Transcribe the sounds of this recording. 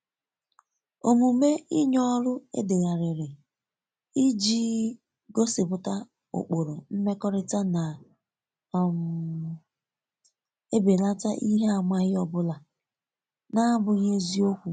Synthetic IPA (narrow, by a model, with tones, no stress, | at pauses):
o˨mu˨me˦i˦ɲɔ˦ɾʊ˦ḛ˦de˨ɣa˨ɾɪ˨ɾɪ˨ | i˦d͡ʒiː˦ | ɡo˦sɪ˨pʊ˨ta˦ | o̰˨k͡po˨ɾo˨m̩˦me˦kɔ˦ɾɪ˦ta˦na˨ | m̩˨ | e˦be˨la˦ta̰˦ʔi˦ɦe˦a˨ma˦ɣɪ˦ɔ˨bʊ˦la˨ | na˦bʊ˨ɣe˦zi˦o˦kʷu˨